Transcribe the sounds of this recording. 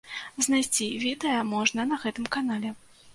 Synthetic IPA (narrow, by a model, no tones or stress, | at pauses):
znajsʲt͡sʲivʲid̪əjɐmɔʐnɐnɐɣɛt̪ɨmkanalʲɛ